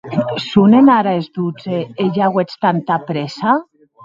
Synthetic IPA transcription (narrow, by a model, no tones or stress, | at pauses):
sunenaɾaezd̪ud͡zeeʎaɣwet͡st̪ant̪apɾesa